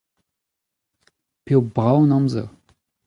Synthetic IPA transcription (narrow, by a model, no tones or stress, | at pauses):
pewbʁawnɑ̃mzə̰ʁ